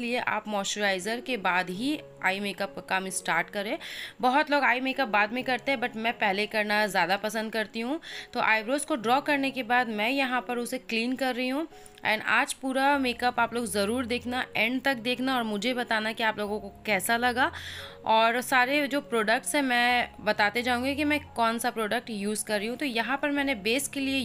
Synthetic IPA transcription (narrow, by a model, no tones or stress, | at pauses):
lieʔa̰ːpmɔːʃoɾaːɪzəɾkebaːd̪ɦi | a̰ːimeːkɐp̚kakaːmĩsʈaːɾʈkɐɾẽːbɐɦʊt̪loːɡaːimeːkəp̚baːd̪mẽkɐɾt̪eɦɛ̃bɐʈmɛ̃ːpɛɦlekɐɾnazjaːd̪apɐsə̃nd̪̚kɐɾt̪iɦũt̪oːʔaːɪbɾoːskoɖɾɔːkɐɾnekebaːd̪mɛ̃jɐɦãpɐɾʊsekliːnkɐɾːɐɦiɦũ | ɛ̰̃ːɳɖa̰ːd͡ʒpuːɾameːkəpaːploːɡzɐɾuːɾd̪eːkʰnaɛ̃ɳɖt̪ɐk̚d̪eːkʰnaɔːɾmʊd͡ʒʱebɐt̪aːnakiaːploːɡõkokɛːsalɐɡa | ɔːɾsaːɾed͡ʒoːpɾoːɖək̚ʈsɦɛ̃mɛ̃ːbɐt̪aːt̪ed͡ʒaːũːŋɡekimɛ̃ːkɔːnsapɾoːɖək̚ʈjuːzkɐɾːiɦũt̪ojɐɦãpɐɾmɛ̃ːnebeːskːelie